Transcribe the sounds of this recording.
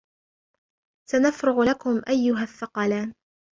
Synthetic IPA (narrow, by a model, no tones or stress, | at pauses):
sanafɾɪɣlakʊmʔajːʊɦaθːɑqɑlaːn